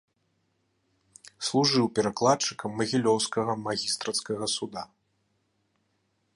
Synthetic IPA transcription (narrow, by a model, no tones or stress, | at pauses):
slˠuʐɨwpʲɛɾaklˠat̪t͡ʂɨkɐmːɐɣʲilʲɔwskɐɣɐmaɣʲist̪ɾɐt̪skɐɣɐsud̪a